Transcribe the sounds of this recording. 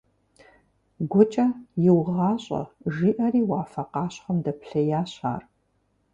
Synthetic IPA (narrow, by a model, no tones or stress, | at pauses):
ɡʷɔt͡ʃʼɐjɪwʁɑːɕʼɐ̰ʒiːʔɐriːwaːfɐqɑːɕχɐmdɐpɬɐjaːɕa̰ːr